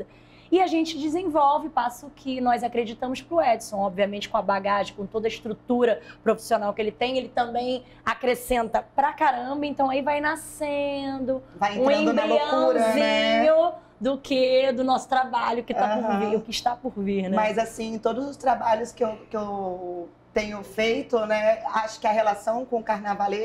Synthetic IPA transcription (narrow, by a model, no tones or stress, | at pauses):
ɐ | ɪaʒẽnt͡ʃɪd͡ʒɪzẽvɔwvɪpasʊkʰɪnɔjzakɾed͡ʒit̪ɐ̃mʊspɾʊɛd͡ʒɪ̥sõw̃ɔbviɐmẽnt͡ʃɪ̥kõɐbaɡaʒẽɪ̃kõt̪od̪ɐɪʃt̪ɾut̪uɾɐpɾofi̥sionawkelɪt̪ẽj̃elɪt̪ɐ̃mbẽj̃ | akɾesẽnt̪ɐpɾɐkaɾɐ̃mbɐẽnt̪ɐ̃w̃aivajnasẽnd̪ʊvajẽũẽd̪ʊbɐiloɐuɾɐzĩɲʊ | d̪ʊkʰed̪ʊnɔsʊ̥t̪ɾabaʎʊkɪt̪apʊviɾʊkɪɪʃt̪apʊɾvihnɛmajzasĩẽt̪od̪ʊzʊst̪ɾabaʎʊskɪewkɪew | t̪ẽɲʊfejt̪ʊnɛaʃʊ̥kɪɐɦelasɐ̃w̃kõʊkaɾnavale